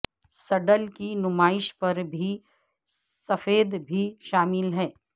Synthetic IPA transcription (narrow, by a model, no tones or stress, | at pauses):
sɐɖəlkinʊmaːɪʃpɐɾbʱi | sɐfeːd̪bʱiʃaːmɪlɦɛː